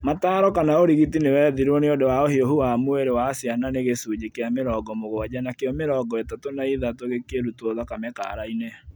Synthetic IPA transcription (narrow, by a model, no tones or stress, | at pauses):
mataːɾɔkanaoɾiɣitinewɛðiɾɔneɔdɛwaohioɦuamwɛɾewasiananeɣesud͡ʑekeameɾɔːɡɔmoɣwad͡ʑanakeɔmeɾɔɡɔetatonaiðatoɣekeɾutwoðakamɛka̰ɾaine